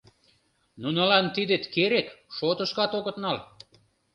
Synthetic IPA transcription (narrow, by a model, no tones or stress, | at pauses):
nunɑlɑnt̪id̪et̪keɾekʃot̪ə̆ʃkɑt̪oɣə̆t̪nɑl